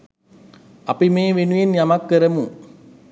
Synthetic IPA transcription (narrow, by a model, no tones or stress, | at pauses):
ɐpimeːʋenujenjamakːəɾɐmu